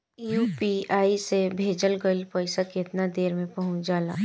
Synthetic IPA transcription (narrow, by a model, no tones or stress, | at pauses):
juːpiaːisebʱeːd͡ʒəlɡəlpɔːɪsaket̪nad̪eːɾmẽpɐɦʊ̃t͡ʃd͡ʒaːla̰ː